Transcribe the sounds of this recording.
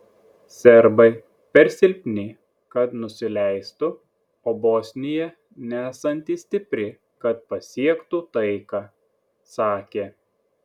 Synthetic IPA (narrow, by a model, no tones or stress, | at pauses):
sʲɛɾbɐɪ | pʲɛɾʲsʲɪlʲpʲnʲɪ | kɐt̪nʊsʲɪlʲæɪst̪ʊ | oːboːsʲnʲɪjɛ | nʲæːsɐnʲt̪ʲiːsʲt̪ʲɪpʲɾʲɪ | kɐt̪̚pɐsʲiɛkt̪ut̪ɐɪkɑː | sɑːkʲeː